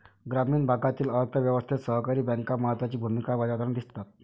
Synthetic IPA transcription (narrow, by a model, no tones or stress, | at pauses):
ɡɾamiːnbʱakat̪iːləɾt̪ʰəʋjəʋəst̪ʰit̪səɦkaɾiːbɛŋkaməɦət̪ːʋat͡ɕiːbʱumikabad͡ʑat̪and̪ist̪at̪̚